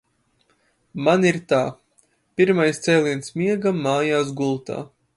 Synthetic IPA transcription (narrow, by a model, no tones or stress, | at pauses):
maniɾt̪aː | pʲiɾmajst̪sɛːlˠʲiɛnsmiɛɡamːaːjaːs̬ɡulˠt̪a̰ː